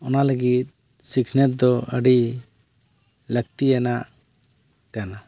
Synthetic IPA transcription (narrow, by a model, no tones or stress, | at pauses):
ɔnaləɡit̪̚ | sikʰnɛt̪̚d̪ɔə̰ɖi | lək̚t̪ijanaʔ | kana